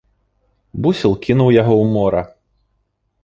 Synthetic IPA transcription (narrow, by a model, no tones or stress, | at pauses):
busʲilˠkʲinuwjaɣɔwmɔɾɐ